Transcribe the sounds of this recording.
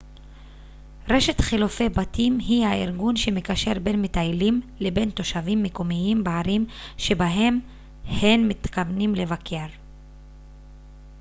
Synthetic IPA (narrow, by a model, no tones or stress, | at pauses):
ʁe̞ʃe̞t̪χilufe̞batimɦihaiʁɡunʃe̞mekaʃe̞ʁbe̞nmitajlimle̞be̞nt̪o̞ʃavimːekomiimbeaɾimʃe̞baɦe̞m | henmit̪kavnimle̞vakjaʁ